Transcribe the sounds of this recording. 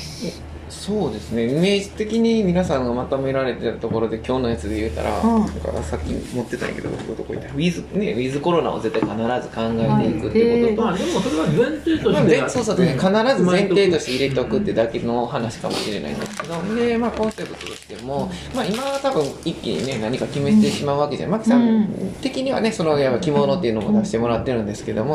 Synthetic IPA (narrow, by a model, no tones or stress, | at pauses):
so̞ːd̪e̞sɨne̞ime̞ːʑit̪e̞kʲiɲ̟imʲinasãŋɡamat̪ome̞ɾaɾe̞t̪eɾɯt̪o̞ko̞ɾo̞d̪e̞kʲo̞ːno̞jat͡sɨd̪e̞jɯ̟ːt̪a̰ɾa̰nã̰ŋka̰sakʲːḭmo̞t̪ːe̞t̪an̰ḭke̞d̪o̰o̰siɡot̪oko̰ḭt̪ːaɯ̟izɨne̞ɯ̟izɨko̞ɾo̞na̰o̰ze̞t̪ːaikanaɾazɨkãŋɡaet̪e̞ikɯ̟t̪ːeikoot̪oad̪emosoɾeβazẽnt̪eːtomasoːsoːd̪esnkanaɾazɨzẽ̞nt̪e̞ːt̪o̞ɕi̥t̪e̞iɾe̞t̪e̞o̞kɯ̟t̪ːe̞d̪ake̞no̞hanaɕi̥kamo̞̰ɕiɾe̞na̰ḭ̃nd̪e̞sɨ̥ked̪o̞d̪e̞maːkõ̞se̞pɯ̟̥t̪ot̪o̞ɕi̥t̪e̞mo̞maːimaβat̪abɯ̟̃ŋ̃ikʲːḭɲ̟ḭne̞naɲ̟ikakʲime̞si̥t̪e̞ɕimaɯ̟βakeʑa̰namaki̥sãnt̪e̞kʲiɲ̟iβa̰ne̞so̞no̞japːakʲimo̞no̞t̪ːeiɯ̟nomo̞̰d̪aɕi̥t̪e̞mo̞ɾat̪ːe̞ɾɯ̟̃nd̪e̞sɨ̥keed̪o̞mo̞